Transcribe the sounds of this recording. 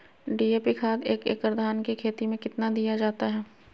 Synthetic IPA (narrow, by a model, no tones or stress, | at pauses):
ɖiːeːpikʰaːd̪eːkḛːkɾd̪ʱaːnkekʰeːt̪imẽkɪt̪nad̪ijad͡ʒaːt̪aɦɛː